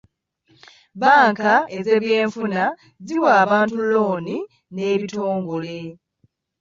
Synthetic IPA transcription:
βaːŋkae̞zeβjeːɱfuna | ziwaːβaːntulo̞ːni | ne̞ːβito̞ːŋɡo̞le̞

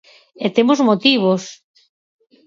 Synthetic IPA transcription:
et̪emozmot̪iβ̞os

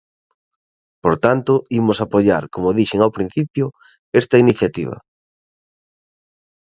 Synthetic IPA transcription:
poɾt̪ant̪ʊimʊsapoʎa̰ɾkomʊðiʃeŋawpɾin̟θipjʊ | est̪ɐiniθjat̪iβ̞ɐ̰

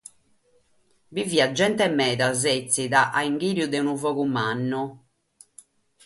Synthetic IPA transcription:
biviːad͡ʒːɛnt̪ɛmɛːðazet̪sːiðaʔaiŋɡiːɾjud̪ɛunuvɔɣumanːɔ

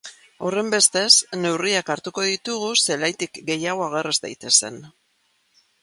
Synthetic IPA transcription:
o̞re̞mbe̞st̪e̞sne̞wriakaɾt̪uko̞ðit̪uɣ̞use̞lajt̪ikɡe̞jaɣo̞aɣ̞e̞rezd̪a̰jt̪e̞se̞n

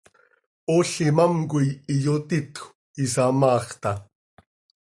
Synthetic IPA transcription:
oɬɪmamkʊjijot̪it̪ | isamɑːχt̪ɑ

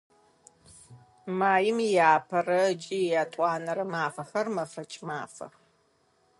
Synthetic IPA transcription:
maːjɪmjaːpʰɐrɐd͡ʒʼijaːtʼɑːnɐɾɐmaːfɐxɐrmɐfɐt͡ʃʼma̰ːfɐ̰x

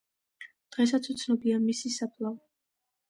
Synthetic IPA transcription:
d̪̥ʁɛs̬at̪sʰut̪sʰnɔbiamisisapʰlˠav

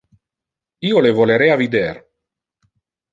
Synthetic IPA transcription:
iːolevoleɾɛavid̪ɛr

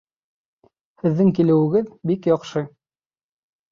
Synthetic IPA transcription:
hɘ̆ðːɘŋkilɘ̆wɘ̆ɡɘðbikjɑqʃɤ

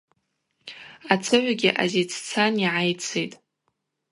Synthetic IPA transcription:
at͡sʰɨʕʷaɡʲɪʔa̰zet͡sʰt͡sʰaniʕajt͡sʰejtʼ

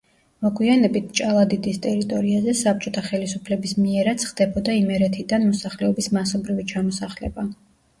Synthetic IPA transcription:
mɔɡwianɛbit̪̚ʰt͡ʃʼalˠad̪id̪ist̪ʼɛɾit̪ʼɔɾiazɛsap̚t͡ʃʼɔt̪ʰaχɛlisupʰlɛbismiɛɾat̪sʰχd̪̥ɛbɔd̪aimɛɾɛt̪ʰid̪anmɔsaχlɛɔbismasɔbɾivit͡ʃʰamɔsaχlɛ̰ba

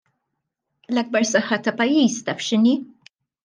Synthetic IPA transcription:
lɐɡ̚bɐɾsɐħːɐt̪ɐpɐjːiːst̪ɐfʃɪniː

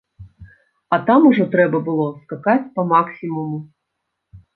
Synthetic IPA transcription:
ɐt̪amuʐɔt̪ɾɛbɐbɨlˠɔskakat͡sʲpɐmaksʲimumu

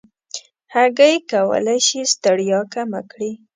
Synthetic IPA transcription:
haɡajkawə̰lajʃist̪əɽjɑkama̰kɽi

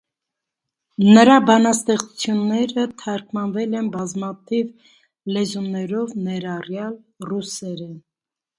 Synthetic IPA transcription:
nəɾɑbɑnɑst̪ɛχt͡sut͡sʰjunːɛɾət̪ʰɑɾkʰmɑnvɛlɛnbɑzmɑt̪ʰiv | lɛzumnɛɾɔvnɛɾɑrjɑl | rusɛɾɛn

